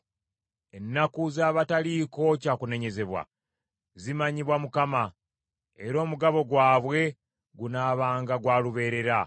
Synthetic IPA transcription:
e̞nːakuzaːβataliːko̞caːkune̞ɲe̞ze̞βwa̰ | zimaɲiβwamukama | e̞ɾo̞ːmuɡaβo̞ɡwaːβwe̞ | ɡunaːβaːŋɡaɡwaːluβe̞ːɾe̞ɾa

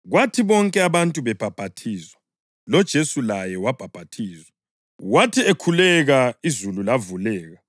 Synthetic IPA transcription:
ɣwatʰiβɔŋkʼɛaβantʼuβɛb̥ʱab̥ʱatʰiːzwa | lɔd̥ʒ̥ʱesulajɛwab̥ʱab̥ʱatʰiːzwa | watʰiekʰulɛɣaizululavulɛːɣa

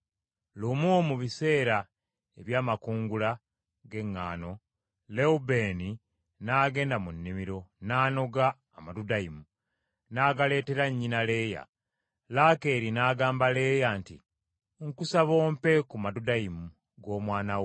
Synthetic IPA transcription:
lumumuβise̞ːɾa | eβjaːmakuːŋɡula | ɡe̞ŋːa̰ːno̞ | le̞ube̞ni | naːɡe̞ːndamunːimiɾo̞naːno̞ɡaː | madudaimu | naːɡale̞ːte̞ɾaɲːinale̞ːja̰ | lake̞ːɾinaːɡaːmbale̞ːjantḭ | ŋkusaβo̞ːmpe̞kumadudaimu | ɡo̞ːmwaːnaw

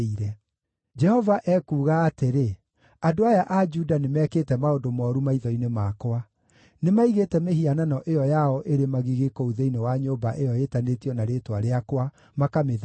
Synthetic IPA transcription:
iɾɛ | d͡ʒɛhɔvaʔɛːkuːɣaːteɾe | adoajaʔad͡ʒudanemɛːkeːtɛmaodomɔɾumaiðɔinemakwa | nemaiɣeːtɛmeɦiananɔʔejɔjaɔʔeɾemaɣiɣekɔuðeinewaɲoːbaʔejɔetanetiɔnaɾeːtwaɾeakwa | makameð

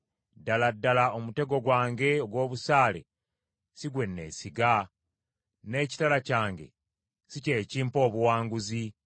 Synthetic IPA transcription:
daladːalaomute̞ɡo̞ɡwaːŋɡe̞oɡwo̞ːβusaːle̞̰ | siɡwe̞nːe̞̰ːsiɡa | ne̞ːci̥talacaːŋɡe̞̰ | sice̞ːciːmpo̞ːβuwaːŋɡuzi

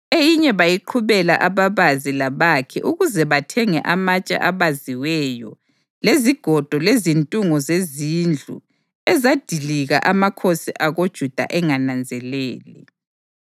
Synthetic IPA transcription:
ejiɲɛβajiǃʰuβɛla̰ʔaβaβazilaβakʰɛ̰ʔuɣuzɛβatʰɛŋɛ̰ʔamat͡ʃʼa̰ʔaβaziwɛjɔ | leziɡ̥ʱɔd̥ʱɔlezintʼuŋɔzezind͡ɮʱṵ | ɛzad̥ʱiliɣaʔamakʰosiʔaɣod̥ʒ̥ʱud̥ʱa̰ʔɛŋanand͡zʱɛlɛːlɛ

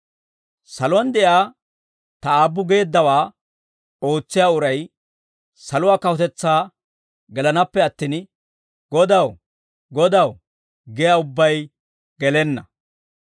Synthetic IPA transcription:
sɐlʊwɐnd̪ɛjaː | t̪ɐaːbːʊɡe̞ːd̪ːɐwaː | o̞ːt͡sːɪjaːʊɾɐj | sɐlʊwaːkɐhʊt̪ɛt͡sːaː | ɡɛlɐnɐpːɛɐt̪ːiːn | ɡɔd̪ɐw | ɡɔd̪ɐw | ɡɛjaːʊbːɐj | ɡ̥ɛlɛnːɐ

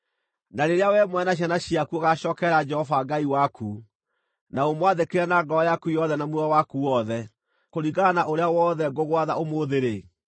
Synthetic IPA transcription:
naɾeɾeawɛmwɛnaɕ̬anaɕiakuoɣaʃɔːkɛɾad͡ʒɛhɔvaɡaiwakʰu | naomwaðekeɾɛnaɡɔɔjakujɔðɛnamwuawakuwɔðɛ | koɾiɣanaʔoɾeawɔːðɛɡoɣwaðaomoðeɾe

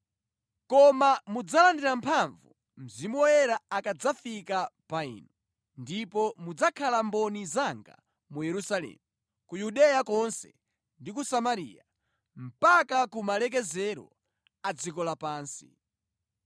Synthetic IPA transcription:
kɔmamud͡zalandiɾampʰaɱvṵ | m̩zimɔjɛɾaakad͡zafikapaḭːnɔ | ndipɔmud͡zakʰalambɔnizaŋɡa̰ | mujɛɾusalɛ̰ːmu | kujuɗɛjakɔnsɛ̰ | ndikusamaɾḭːja | m̩pakakumalɛk̬ɛzɛɾɔ̰ | ad͡zikɔlapaːnsḭ

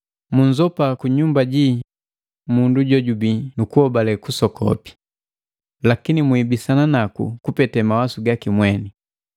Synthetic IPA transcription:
muɲzɔpakuɲumbaɟi | munduɟɔɟubinukuhɔbalɛkusɔkɔ̰pi̥ | lakinimwibisananakṵkupɛtɛmawasuɡakimwɛni

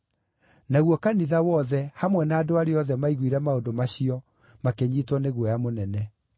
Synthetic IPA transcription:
naɣwɔkaniðawɔðɛhamwɛnaːdoaɾeɔðɛmaiɣwiɾɛmaodomaɕiɔ | makeɲitwɔneɣwɔjamonɛnɛ

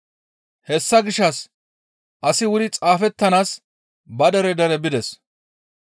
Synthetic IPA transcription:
hɛsːɐɡɪʃːɐs | ʔɐsɪwʊd̪ɪt͡sʼaːfɛt̪ːɐnaːs | bɐd̪ɛɾɛd̪ɐɾɛbɪd̪ɛs

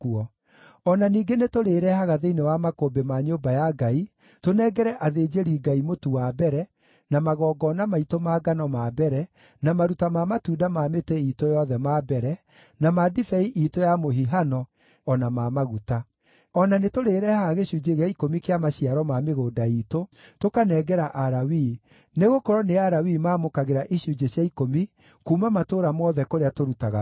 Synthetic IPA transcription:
kuɔ | ɔnaniːɡenetoɾeːɾɛhaɣaðeinewamakobemaɲoːbajaɡai | tonɛɡɛɾɛʔaðeːd͡ʑeɾiːɡaimotuwabɛɾɛ | namaɣɔːɡɔnamaitomaːɡanɔmabɛɾɛ | namaɾutamamatuːdamaːmetɛiːtojɔðɛmaːbɛɾɛ | namadifɛiʔitojamoɦiɦanɔ | ɔnamaːmaɣuta | ɔnanetoɾeːɾɛhaɣeɕud͡ʒeɣaikomikeamaɕiaɾɔmameɣoːdaitotokanɛɡɛɾaʔaɾawi | neɣokɔɾɔneaɾawimaːmokaɣeɾaʔiɕud͡ʒeɕjaikomi | kuːmamatoːɾamɔðɛkoɾeatoɾutaɣa

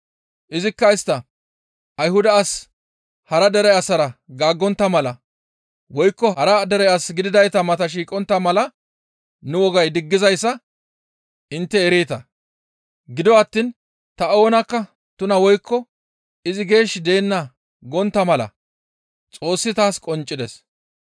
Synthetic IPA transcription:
ʔɪzɪkːɐɪst̪ːɐ | ʔɐjhʊd̪ɐːs | hɐɾɐd̪ɛɾɛjɐsɐɾɐɡaːɡːɔnt̪ːɐmɐlɐ | wɔjkːɔɐɾɐd̪ɛɾɛɐsɡɪd̪ɪd̪ɐjt̪ɐmɐt̪ɐʃ̬iːkʼɔnt̪ːɐmɐlɐ | nʊwɔɡɐjd̪ɪɡːɪzɐjsːɐ | ɪnt̪ːɛːɾeːt̪ɐ | ɡɪd̪ɔɐt̪ːin | t̪ɐo̞ːnɐkːɐ | t̪ʊnɐwɔjkʰːɔ | ɪzɪɡe̞ːʃd̪e̞ːnːɐ | ɡɔnt̪ːɐmɐlɐ̰ | t͡sʼo̞ːsːɪt̪aːskʼɔnt͡ʃʼːɪd̪ɛs

